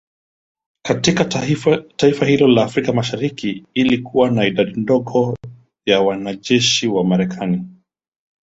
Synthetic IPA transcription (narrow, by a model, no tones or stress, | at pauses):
katikataifahilɔlaːfɾikamaʃaɾikiilikuwanaiɗaɗindɔɠɔ | jawanaʄɛʃiwamaɾɛkʰani